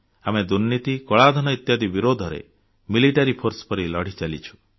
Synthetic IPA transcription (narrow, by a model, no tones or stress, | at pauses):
amed̪uɾnit̪ikɔɭad̪ʱɔnɔit̪jad̪ibiɾod̪ʱɔɾḛ | miliʈaɾipʰoɾspɔɾilɔɽ̤it͡ʃalḭt͡ʃʰu̥